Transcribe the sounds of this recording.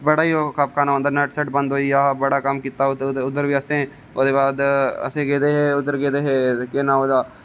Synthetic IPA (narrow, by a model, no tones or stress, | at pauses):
bəɽaːiɦoːkaːpkʰaːnaə̃nd̪əɾnɛʈsəʈbə̃nd̪ɦoːiaːbɐɽakɐmkit̪ːaʊd̪əɾbiɐsẽ | od̪eːbaːd̪ɐ̰seɡeːd̪eɦeʊd̪əɾɡeːd̪eɦekeːnãːoːd̪aː